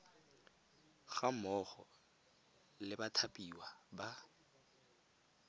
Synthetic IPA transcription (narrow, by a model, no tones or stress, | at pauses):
ɣamɔχɔ̰ | lɪbatʰapʼiwaba